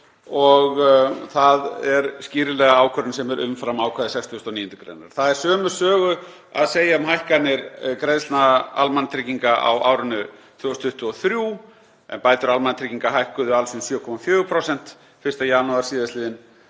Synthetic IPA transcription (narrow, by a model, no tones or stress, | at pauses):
ɔɣθaðɛɾsciːɾɪlɛːɣaaːwkʰœɾʏnsɛmɛɾʔʏ̰mfɾamaːwkʰaðɪsɛjkst̪ʰʏst̪ɔniːjʏnt̪ʏkɾḛjna̰ɾ̥θaðɛɾ̥sœːmʏ̥sœːɣʏ | aðseːjaʏmɦajhkanɪɾkɾejðsnaa̰lmant̪ʰɾiciŋkaʔa̰wa̰ːwɾʏnʏ | θjowst̪ʰʏht̪ʏɔθɾjuː | ɛ̰npaːjt̪ʏɾalmanat̪ʰɾiciŋkaɦajhkʏðʏalsʏnsjœːkʰɔmafjœːɣʏpʰɾɔwsɛn̥t̪ | fɪrst̪ajaːnuaɾsiːðasliːðɪn